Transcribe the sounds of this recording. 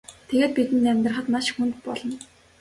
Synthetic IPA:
t̪ʰeɣeːt̪̚pit̪ɘ̆nːæmʲt̪rə̆χə̆t̪maʃxunt̪̚pɔɮɞ̆n

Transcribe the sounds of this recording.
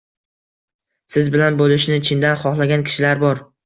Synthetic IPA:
sɪzbɪlanbolɪʃnɪt͡ʃʰɪnd̪anχɒχlˠaɡʲankʲʰɪ̥ʃɪlaɾbɒɾ

